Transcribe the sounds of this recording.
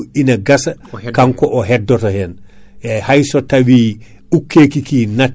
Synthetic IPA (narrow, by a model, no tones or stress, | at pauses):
inɐɡasakaŋkɔʔoɦɛdːotohɛnjajhajsotawiː | ukːeːkikina